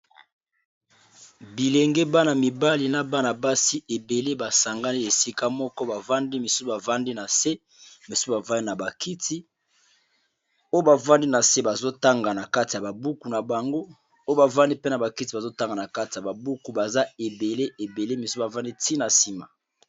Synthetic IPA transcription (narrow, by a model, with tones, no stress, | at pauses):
bi˨lɛ˨ŋɡɛ˦ba˦na˨mi˨ba˦li˨na˦ba˦na˨ba˦si˦ʔe˨be˨le˦ba˨sa˨ŋɡa˦ni˦e˨si˦ka˦mɔ˦kɔ˦ba˨va˦ndi˦mi˨su˦u˨ba˨va˦ndi˦na˨se˦ | mi˨su̥˦sa˨va˦ni˦na˨ba˨ki˦ti˦ | o˦jo˦ba˨va˦ndi˦na˨se˦ba˨zo˦ta˦ŋɡa˨na˨ka˦ti˨a˨ba˨bu˦ku˨na˨ba˨ŋɡo˦ | o˦jo˦ba˨va˦ndi˦pe˦na˨ba˨ki˦ti˨ba˨zo˦ta˦ŋɡa˨na˨ka˦ti˨ja˨ba˨bu˦ku˨ba˨za˦e˨be˨le˦ʔe˨be˨le˦mi˨su˦ba˨va˦ndi˦ti˦na˨si˦ma̰˨